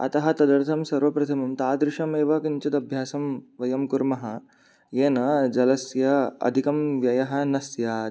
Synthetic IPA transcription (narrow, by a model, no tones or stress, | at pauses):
ɐ̰t̪ɐɦɐt̪ɐd̪ɐɾt̪ʰɐmsɐɾʋɐpɾɐt̪ʰɐmɐmt̪aːd̪ɾɪʂɐmeːʋɐkɐnt͡ʃɐt̪ɐbʱjaːsɐmʋɐjɐmkuɾmɐɦɐ | jeːnɐd͡ʒɐlɐsjɐɐ̰d̪ʱikɐmʋjɐjɐɦɐ̆nɐsja